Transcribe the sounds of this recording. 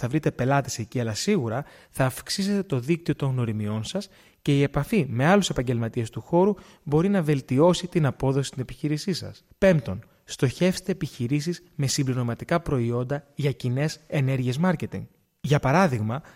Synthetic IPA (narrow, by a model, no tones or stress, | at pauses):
θɐvɾit̪e̞pe̞lɐt̪ese̞ciɐlɐsiɣuɾɐ | θɐːfksise̞t̪et̪o̞ðikt̪io̞t̪o̞ŋɣno̞ɾimio̞nsɐs | ce̞ie̞pɐfime̞ɐluse̞pɐɲɟe̞lmɐt̪ie̞st̪uxo̞ɾu | bo̞ɾinɐve̞lt̪io̞sit̪inɐpo̞ðosi̥st̪ine̞piçiɾisisɐ̰spe̞mt̪o̞n | st̪o̞çe̞fse̥t̪e̞ːpiçiɾisiz | me̞simbliɾo̞mɐt̪ikɐpɾo̞io̞nd̪ɐʝɐcine̞sene̞ɾʝie̞zmɐɾce̞t̪ḭŋɡ | ʝɐpɐɾɐðiɣmɐ